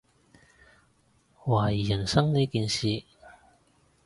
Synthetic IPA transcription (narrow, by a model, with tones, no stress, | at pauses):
waː˨˩jiː˨˩jɐ˨˩nsɐ˥ŋniː˥kiː˨˧nsiː˨˧